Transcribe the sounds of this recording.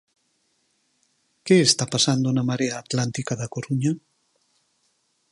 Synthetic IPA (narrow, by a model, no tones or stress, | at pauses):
keːst̪apasand̪onamaɾeaːt̪lant̪ikaðakoɾuɲa